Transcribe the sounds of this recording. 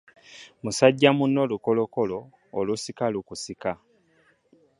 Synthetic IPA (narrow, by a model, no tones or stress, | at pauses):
musaɟːamunːo̞ːluko̞loko̞lo̞ː | lusikalukusika